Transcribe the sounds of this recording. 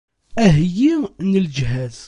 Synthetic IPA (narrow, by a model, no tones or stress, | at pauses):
æɦjinəld͡ʒɦæð